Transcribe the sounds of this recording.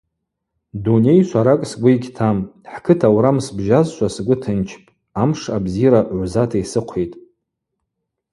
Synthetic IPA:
dune̞jʃʷaɾakʼsɡʷiiɡʲtʰamħkʰɨtʰawɾamsbʒazʃʷasɡʷʊtʰɨnt͡ʃʰpʼ | amʂabziɾaʕʷzatʰaisɨqʷʰetʼ

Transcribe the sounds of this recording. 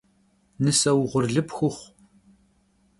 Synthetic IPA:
nɨsɐwʁʷʊrɮɨpxʷʊχʷ

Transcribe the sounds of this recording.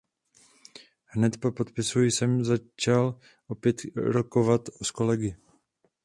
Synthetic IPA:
hnɛt̪popo̞t̪pɪsujɪsɛmzat͡ʃal | ʔo̞pjɛt̪ɾoko̞vat̪sko̞lɛɡɪ

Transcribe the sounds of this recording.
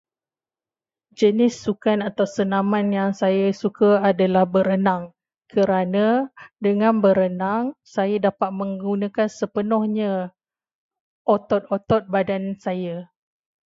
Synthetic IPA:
d͡ʒənɪsːukanat̪awsənãmanjaŋsajasukaadalahbəɾənaŋ | kʰəɾanãdəŋãnbəɾənaŋsajadapat̪̚mə̃ŋɡunãkansəpənɔhɲã | ʔot̪ɔt̪̚ot̪ɔt̪̚badansaja

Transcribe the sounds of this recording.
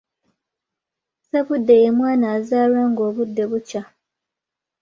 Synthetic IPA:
seβudːe̞jemwaːnaːzaːɾwaŋɡo̞ːβudːe̞βuca

